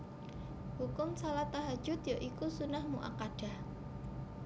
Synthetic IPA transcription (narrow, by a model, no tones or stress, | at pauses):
hukʊmsalaht̪aɦḁʒ̥ʊt̪joʔikusunahmuʔa̰kaɖ̥a̤h